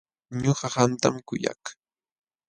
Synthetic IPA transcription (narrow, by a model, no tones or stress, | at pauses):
ɲoɢɑhant̪amkʊja̰k